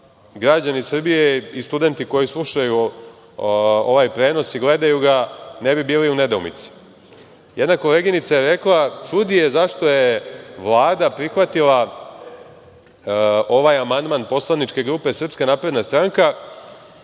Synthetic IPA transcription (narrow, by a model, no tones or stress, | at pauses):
ɡɾad͡ʑanisr̩bijeist̪ud̪e̞nt̪iko̞jislˠuʃaju | o̞̰ʋajpɾe̞ːno̞siɡle̞d̪ajuɡane̞bibiːliune̞d̪oumḭt̪si̥ | jʔed̪nako̞le̞ɡinit̪sajeɾe̞klˠat͡ʃud̪ijezaʃt̪o̞jeʋlˠaːd̪apɾixʋat̪ila | o̞ʋajamand̪manpo̞slˠanit͡ʃke̞ɡɾuːpe̞sr̩pskanaːpɾe̞d̪nast̪ɾaŋka